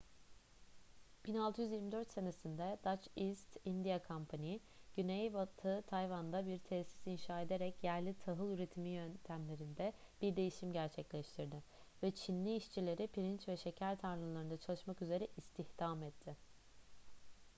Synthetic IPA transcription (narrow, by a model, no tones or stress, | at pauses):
b̥inalˠt̪ʰɯjyzjiɾmid̪ø̞ɾt̪se̞nesind̪ɛd̪at͡ʃist̪ind̪ijakʰampʰanij | ɟ̥ynejvat̪ʰɯt̪ʰajvand̪abiɾt̪ʰɛsi̥sinʃaːe̞d̪e̞ɾɛcjæɾlʲit̪ʰaɦɯlˠyɾe̞t̪ʰimijønt̪ʰæmlʲe̞ɾind̪ɛ | b̥iɾd̪e̞jiʃimɟæɾt͡ʃʰɛclʲɛʃt̪ʰiɾd̪ɪ | vɛt͡ʃʰinlʲiːʃt͡ʃʰilʲe̞ɾipʰiɾint͡ʃvɛʃe̞cʰæɾt̪ʰaɾlˠɯlˠaɾɯnd̪at͡ʃʰalˠɯʃmakyze̞ɾɛʔist̪ʰihd̪̥amɛt̪ʰːɪ